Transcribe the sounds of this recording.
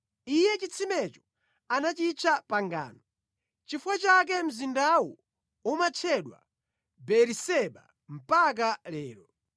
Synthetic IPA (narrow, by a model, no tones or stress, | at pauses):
ijɛt͡ʃit͡sʰimɛt͡ʃɔ̥ | anat͡ʃit͡ʃʰapaŋɡa̰ːnɔ | t͡ʃifuwat͡ʃak̬ɛm̩zindawɔ | umat͡ʃʰɛɗwa̰ | bɛɾisɛɓa̰ | m̩pak̬alɛːɾɔ